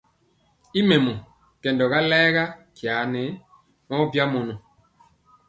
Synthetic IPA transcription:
i˦me˨mɔ˨ | kɛ˨ndɔ˨ɣa˦lɛː˦ɣa˦kja˨˦ne˨˦ | mɔ˦bja˦mɔ˨nɔ˨

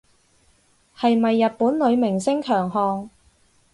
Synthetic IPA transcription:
hɐ˨jmɐ˨jːɐ˨t̚puː˨˥nlɵ˨˧ɥmɪ˨˩ŋsɪ˥ŋkʰœː˨˩ŋɦɔː˧ŋ

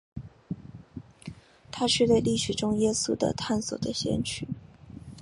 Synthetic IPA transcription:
t̪ʰa˥ʂɻ̩˥˧t̪we˥˧ɪli˥˩ʂɻ̩˨˩ʈ͡ʂʊ˥ŋjɛ˥sṵ˥d̪ə̰˨t̪ʰa˥˩nsɔ̰˨˩d̪ə˦ɕjɛ̰˥nt͡ɕʰy˨˩

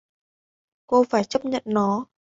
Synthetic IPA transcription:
ko˧faː˧˩jt͡ɕə˦˥p̚ɲə̰˧˨nnɔ˨˦

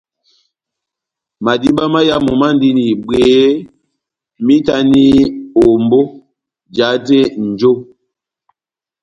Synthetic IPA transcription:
ma˨di˦ɓa˦ma˦ja˦mu˨ma˦n˦di˦ni˨be˨˦ | mi˦ta˦ni˦o˨mbo˦ | d͡ʒa˨˦te˦n̩˨d͡ʒo˦

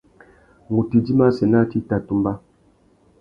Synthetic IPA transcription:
ŋu˨ti˨d͡ʒi˦ma˦sɛ˨na˦˨ti˦ta˨tu˦mba˦

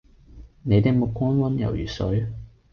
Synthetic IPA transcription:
ne˨˧jt̪e˨k̚mʊ˨kʷːwɔː˥nwɐ˥njɐ̰˨˩wjy̰ː˨˩sɵ˨˥ɥ

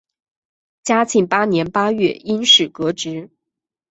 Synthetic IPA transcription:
t͡ɕja˥t͡ɕʰi˥˩ŋpa˥njɛ˧˥npa˥ɥɛ̰˥˩i˥nʂɻ̩˨˩kɤ˧˥ʈ͡ʂɻ̩˧˥

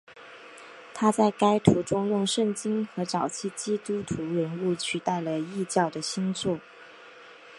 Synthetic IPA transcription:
t̪ʰa˥t͡sa˥˩ɪka˥ɪt̪ʰu˧˥ʈ͡ʂʊ˥ŋjʊ˥˧ŋʂə˥˩ŋt͡ɕi˥nxɤ˧˥ʈ͡ʂɑ˨˩ʊt͡ɕʰi˥˩t͡ɕi˥t̪u˥t̪ʰu˧˥ɻə˧˥nu˥˩t͡ɕʰy˨˩t̪a˥˩ɪlə˩i˥˧t͡ɕjɑ˥˩ʊd̪ə˩ɕi˥nt͡sʰwɔ˥˩

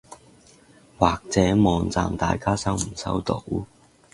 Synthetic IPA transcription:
waː˨k̚t͡sɛː˨˥mɔː˨ŋt͡sa̰ː˨mt̪a̰ː˨jkaː˥sɐ˥wm̩˨˩sɐ̰˥wt̪o̰˨˧˥w

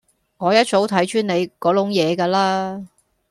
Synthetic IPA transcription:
ŋɔː˨˧jɐ˥t̚t͡so˨˥wt̪ʰɐ˨˥jt͡ʃyː˥ne˨˧jkɔː˨˥lʊ˨˥ŋjɛː˨˧kaː˧laː˥

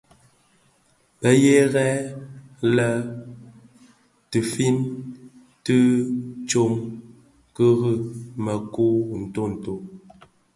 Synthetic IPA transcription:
pə˨je˦ɣɛ˦ | lə˦ | tɨ˨fi˦n | tɨ˦t͡ʃo˦˨ŋ | kə˦ɣə˦mə˨ku˦n̩˨to˦n̩˨to˨

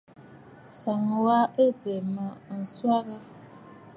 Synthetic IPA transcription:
sa˨ŋ˨wa˦ə˦be˨ma˨n̩˨swa˦ɣa˦

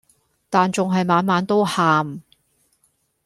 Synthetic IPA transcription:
t̪aː˨nt͡sʊ˨ŋɦɐ˨jmaː˨˧nmaː˨˧˥nt̪o˥whaː˨m

